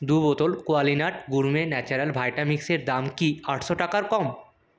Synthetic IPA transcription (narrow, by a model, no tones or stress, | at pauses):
d̪ubɔt̪olkoalinaʈɡuɾmenɛt͡ɕaɾalbʱajʈamikseɾd̪amkiaʈʰʃoʈakaɾkɔm